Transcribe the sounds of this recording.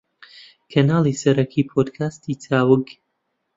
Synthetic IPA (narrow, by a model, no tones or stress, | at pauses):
kʰɐnaːlisɐɾɐkʰiːpʰoːd̪kʰaːst̪iːt͡sʰaːwɨk